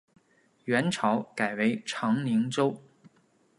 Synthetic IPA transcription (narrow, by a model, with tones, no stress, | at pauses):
ɥɛ˧˥nʈ͡ʂʰɑ˧˥ʊka˨˩ɪwe˧˥ɪʈ͡ʂʰɑ˧˥ŋli˧˥ŋʈ͡ʂo˥ʊ